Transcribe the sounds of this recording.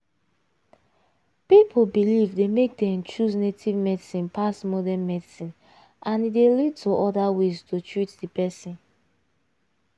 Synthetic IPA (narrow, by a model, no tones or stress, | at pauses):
pipʰobilivdemek̚dɛ̃mt͡ʃuznetʰivmɛdisĩnpʰasmɔdɛnmɛdisĩn | ʔãnidelid̚tʰoʔɔdaweztʰotɹitdipɛsĩn